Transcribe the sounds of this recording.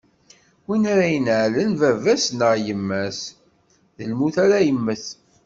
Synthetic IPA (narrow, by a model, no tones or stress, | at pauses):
winaɾæjənʕlənvævæsnəʁjəmːæs | ðəlmuθæɾæjəmːəθ